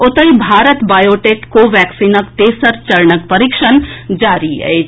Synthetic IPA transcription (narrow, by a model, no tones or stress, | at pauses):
ʊt̪əibʱaːɾət̪baːjoːʈeːkkoʋɛːksiːnəkt̪eːsəɾt͡ʃɐɾɳək̚pəɾɪkʃənd͡ʒaːɾiɦɛ̰e